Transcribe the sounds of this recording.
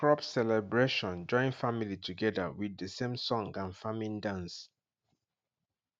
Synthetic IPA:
kɹɔpsɛlɛbɹeʃɔ̃nd͡ʒɔ̃ɪ̃ŋfamilitʰuɡɛdəwiðəsẽmsɔ̃ŋɡãnfamĩndãns

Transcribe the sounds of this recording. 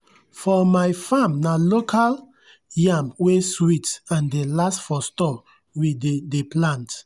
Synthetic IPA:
fɔmaɪfãmnalokʰal | jãmweswitãndelastfɔstɔp | widedeplãnt

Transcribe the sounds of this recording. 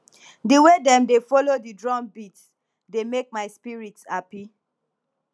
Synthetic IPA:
diwedɛ̃mdefɔlodidɹɔ̃nbits | demek̚maɪspiɹitshapi

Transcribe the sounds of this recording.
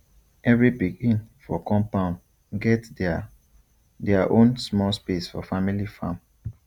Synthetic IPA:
ɛvɹibiɡĩnfɔkɔ̃mpãn | ɡɛt | dɛaʔõnsmɔlspesfɔ̰familifã̰m

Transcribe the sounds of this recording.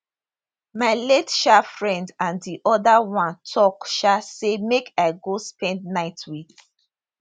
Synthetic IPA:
maɪletʃafɹɛ̃ndãndiʔɔdawãntʰɔkʃasemekʰaɪɡospɛ̃ndnaɪtwit

